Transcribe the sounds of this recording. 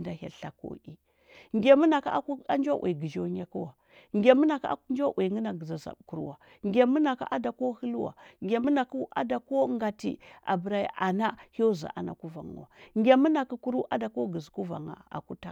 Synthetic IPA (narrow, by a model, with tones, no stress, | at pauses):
nda˨ha̰˨ɬa˨ko̰˦i˦ | ŋɡʲe˨mu˦na˨ka˦ku˦a˦nd͡ʒo˦wʔḛ˨ɡi˨d͡ʒo˦ɲe˦ku˦wa˨ | ŋɡʲe˨mu˦na˨ka̰˦nd͡ʒo˦ʔe˨ŋi˦na˨ɡza˨za̰˨bku˦ɾṵ˦wa˨ | ŋɡʲe˨mu˦na˨ka̰˦ʔa˦da˨ko˦hi˦lu˦wa̰˨ŋɡʲe˨mu˦na˨ku˦a̰˦da˨ko˦ŋɡa˨tḭ˨ʔa̰˨bə˨ɾa˦ja̰˨ʔa˨na˦ho˦za̰˨ʔa˨na̰˨ku˦va̰˨ŋ̰˨a˨ŋɡʲe˨mu˦na˨ku˨ku˦ɾu˦ʔa˦da˨ko˦ɡə˨zku˦va̰˨ŋa̰˨a̰˨ku˦ta˦